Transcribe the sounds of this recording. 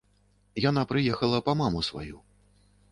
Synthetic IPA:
janapɾɨjɛxɐlˠɐpɐmamusva̰ju

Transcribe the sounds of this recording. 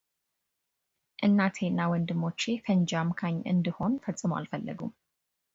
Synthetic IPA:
ʔɨnːat̪ʰe̞nːawɔnd̪ɨmːo̞t͡ʃːefənd͡ʒamkʰaɲːʔɨ̰nd̪iho̞nfət͡sʼːɨməwa̰lfəlːə̰ɡum

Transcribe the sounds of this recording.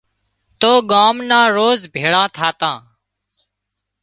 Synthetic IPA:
t̪oːɠaːmnãːɾoːzbʱeːɭãːt̪ʰaːt̪ãː

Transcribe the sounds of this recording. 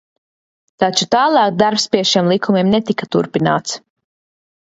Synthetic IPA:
t̪at͡ʃut̪aːlˠɑːkd̪aɾpspiɛʃiɛmlˠikʰumiɛmnet̪ikat̪uɾpinaːt̪s

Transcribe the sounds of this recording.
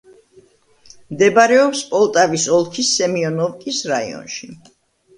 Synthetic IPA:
md̪ɛbaɾɛɔpspʼɔlˠt̪ʼavisɔlˠkʰisːɛmiɔnɔvkʼisɾaḭɔ̰nʃi

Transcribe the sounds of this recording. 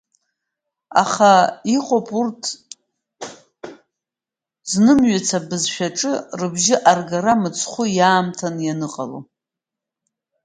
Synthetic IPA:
a̰χaiqʼopʼurtʰ | znɨmɥat͡sʰabɨzʃᶣaʈ͡ʂʼɨrɨbʒɪʔarɡaɾamɨt͡sʰχʷʊjaːmtʰanjanɨqʼa̰lo̰

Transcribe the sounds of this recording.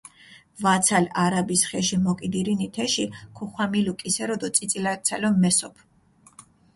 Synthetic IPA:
vat̪sʰalaɾabisχɛʃimɔkʼid̪iɾinit̪ʰɛʃikʰuχwamilukʼisɛɾɔd̪ɔt̪sʼit̪sʼilaɾt̪sʰalɔmɛsɔpʰ

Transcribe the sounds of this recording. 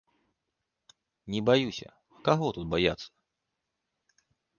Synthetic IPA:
nʲɛbajusʲɐ̰ | kaɣɔt̪ut̪̚baja̰t̪sːɐ̥

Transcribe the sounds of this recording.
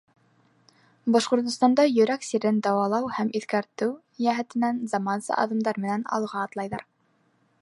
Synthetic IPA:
bɑʃqŏɾt̪ŏst̪ɑnd̪ɑjɵ̆ɾæksiɾɘnd̪ɑwɑlˠɑwhæmʔiθkæɾt̪ɘw | jæɦɘ̆t̪ɘ̆nænzɑmɑnsɤ̰ʔɑ̰ðɤ̆md̪ɑɾmɘ̆nænɑ̰lˠʁɑːt̪lˠɑjðɑɾ

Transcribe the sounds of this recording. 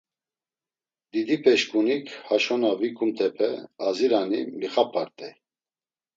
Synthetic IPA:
d̪̥id̪ipʰɛʃkʼunikʰhaʃɔnavikʰʼumt̪ʰɛpʰɛaziɾanimiχapʰʼaɾt̪ʼɛj

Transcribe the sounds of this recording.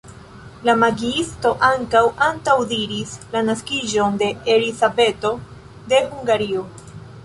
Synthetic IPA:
lamaɡiisto̞ʔaŋkawantawdiɾislanaskiʒo̞nde̞elizabe̞to̞ | de̞huŋɡaɾio̞

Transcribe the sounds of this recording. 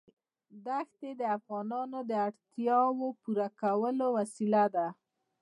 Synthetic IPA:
d̪axt̪ed̪əafɣɑnɑnod̪əaɽt̪jɑwopuɾakawəlowasilad̪a

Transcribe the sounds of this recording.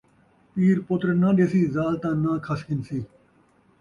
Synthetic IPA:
piːɾpʊt̪ɾnãːɗeːsiːzaːlt̪ãːnãːkʰəskɪnsiː

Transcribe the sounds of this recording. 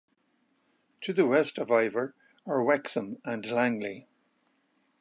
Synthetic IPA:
tʰəðəwɛstəvaɪvə˞ | ə˞wɛksə̃mə̃nlãŋli

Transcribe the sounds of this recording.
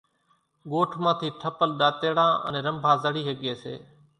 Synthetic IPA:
ɠoːʈʰmãːt̪ʰiːʈʰəpəlɗaːt̪eːɽãːə̰nẽːɾəmbʱaːzəɽiːɦəɠeːsḛː

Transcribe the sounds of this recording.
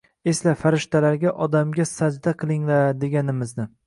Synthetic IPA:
e̞slafaɾɪʃt̪ʰalaɾɡʲaʔɒd̪amɡʲasad͡ʒd̪aqʰɨlˠɪŋlaɾd̪e̞ɡʲanɪmɪznɪ

